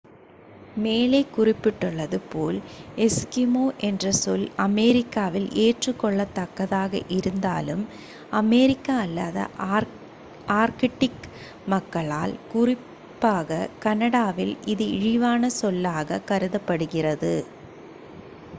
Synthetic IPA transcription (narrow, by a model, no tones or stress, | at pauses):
meːlɐɪkːʊrɪpːɪʈːɯɭːɐðɯpoːlɛskɪmoːʔɛndrɐsɔlɐmɛɾɪkːaːʋɪlʔeːʈrɯkːɔɭːɐt̪ːɐkːɐðaːɣɐ̰ʔɪɾɯnd̪a̰ːlɯm | ɐmɛɾɪkːaɐlːaːðɐ̰ | aːɾkɪʈːɪk | mɐkːɐɭaːlkʊrɪ | pːaːɣɐkɐnɐɽaːʋɪlʔɪðɯɪɻɪʋaːnɐsɔlːaːɣɐkɐɾɯðɐpːɐɽɯɣɪrɐðɯ